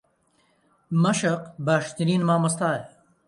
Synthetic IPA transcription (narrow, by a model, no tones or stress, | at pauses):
mɐʃɐqbaːʃt̪ɐɾiːnmaːmɐst̪aːe